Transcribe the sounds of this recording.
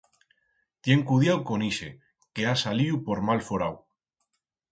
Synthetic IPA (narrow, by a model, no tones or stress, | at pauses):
t̪jeŋkuðjawkoniʃḛ | keasaliupoɾmalfoɾaw